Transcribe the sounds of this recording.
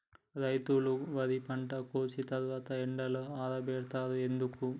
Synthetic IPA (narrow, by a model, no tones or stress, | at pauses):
ɾɐjt̪uluʋɐd̪ipɐɳʈɐkoːt͡ʃit̪ɐɾʋaːt̪ɐeɳɖɐloaːd̪ɐbɛːɾt̪aːɾuend̪uku